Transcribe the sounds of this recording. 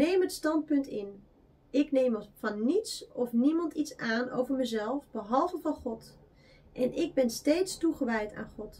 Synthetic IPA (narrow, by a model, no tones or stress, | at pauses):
nejməətstɑnt̚pɵntɪn | ʔɪknejmvɑnːitsɔfnimɑntitsaːno̰wvəɹməzɛlˠfbəɦɑlˠvəvɑnχɔt | ʔɛnʔɪɡ̚bɛnstejtstuχəʋɛjta̰ːnχɔt